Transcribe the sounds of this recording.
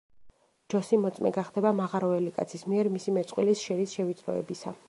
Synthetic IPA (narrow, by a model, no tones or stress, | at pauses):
d͡ʒɔsimɔt̪sʼmɛ̰ɡaχd̪ɛbamaʁaɾɔɛlikʼa̰t̪sʰismiɛɾmisimɛt̪sʼqʼwilisʃɛɾisʃɛvit̪sʼɾɔ̰ɛ̰bisa